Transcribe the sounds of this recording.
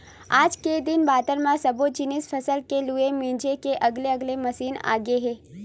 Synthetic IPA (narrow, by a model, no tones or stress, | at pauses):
aːd͡ʒked̪ɪnbaːt̪əɾmãsəbod͡ʒɪnisfʰəsəlkeluemĩːd͡ʒekeʔəɡleəɡlemɐsiːna̰ːɡeɦeː